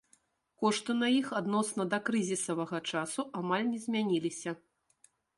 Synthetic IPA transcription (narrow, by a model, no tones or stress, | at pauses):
kɔʂt̪ɨnɐjixad̪nɔsnɐd̪ɐkɾɨzʲisɐvɐɣɐt͡ʂasuʔamalʲnʲɛzʲmʲanʲilʲisʲɐ